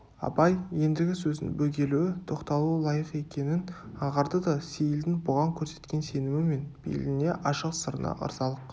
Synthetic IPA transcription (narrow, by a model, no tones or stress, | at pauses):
ɑ̰pɑjje̞nd̪ɪɡʲɪsɵzɪ̰nbɵɡʲe̞luwɪt̪ʰo̞qt̪ɑlˠulˠɑjəqe̞kʲe̞nɪnɑʁɑɾd̪əd̪ɑse̞jɪld̪ɪŋbʊʁɑŋkʲʰɵɾse̞̥t̪kʲe̞nse̞nɪmɪme̞nb̥ḛlɡʲɪne̞ʔɑʃəqsəɾənɑ̰ʔə̰ɾzɑlˠəq